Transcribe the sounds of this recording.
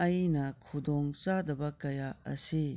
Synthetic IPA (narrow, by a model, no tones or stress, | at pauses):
ɐjnɐkʰudɔŋt͡ʃadɐbɐkɐjaɐ̰si